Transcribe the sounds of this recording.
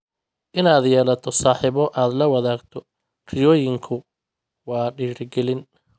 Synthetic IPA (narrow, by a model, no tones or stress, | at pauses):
ʔɪnaːd̪jɛːlɐt̪ʰɔsaːħɪβɔʔaːd̪lɐwɑðaːɡt̪ʰɔ | rɪjɔːjɪŋkʰʊ | wɑːɖiːɾɡɛlɪn